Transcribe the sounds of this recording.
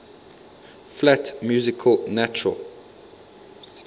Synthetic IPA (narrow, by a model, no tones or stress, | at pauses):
flatmjuːzɪkʰəlnat͡ʃɹə̰l